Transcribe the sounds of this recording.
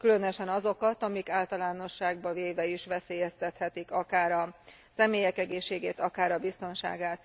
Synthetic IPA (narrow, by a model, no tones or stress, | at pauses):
kylø̞nøʃɛnɒzo̞kɒt̪ɒmikaːlt̪ɒlaːno̞ʃːaːɡbɒveːvɛiʃʋɛseːjɛst̪ɛt̪hɛt̪ikɒkaːɾɒ | sɛmeːjɛkɛɡeːʃːeːɡeːt̪ɒkaːɾɒbist̪o̞nʃa̰ːɡaːt̪